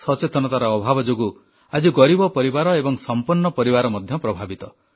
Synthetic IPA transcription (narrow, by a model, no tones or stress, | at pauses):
sɔt͡ʃet̪ɔnɔt̪aɾɔɔbʱabɔd͡ʒoɡu | ad͡ʒiɡɔɾibɔpɔɾibaɾɔebɔŋsɔmpuɾnːɔpɔɾibaɾɔmɔd̪ʱjɔpɾɔbʱabit̪ɔ